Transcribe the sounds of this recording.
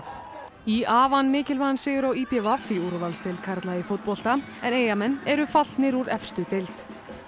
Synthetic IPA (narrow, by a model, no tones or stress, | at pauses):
iaːvanmɪːcɪlvansɛːjʏɾawipjɛvafiuɾvalst̪ejlt̪̚kʰaɾt̪laifot̪̚pɔl̥t̪a | ɛneːjamɛnːɛɾʏfal̥t̪nɪɾuɾɛfst̪ʏt̪ejlt̪